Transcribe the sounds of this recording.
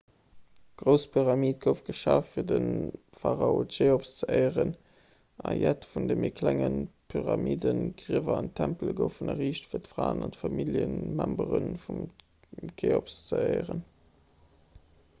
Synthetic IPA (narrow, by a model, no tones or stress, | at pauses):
ɡ̥ʁəʊspʰyʁɑmiːt̚ɡ̥əʊfɡ̥əʃaːffiːɐdənfaʁɑotʃeːopst͡səʔɜɪəʁən | ʔɑjætfundəmikʰlæŋənpʰyʁɑmiːdənɡʁiəvɐɑntʰæmpləɡəʊfunəʁiːʃtfiːɐtfʁaːənɑntfɑmiljənmæmbəʁənfum | kʰeopst͡səəɪəʁən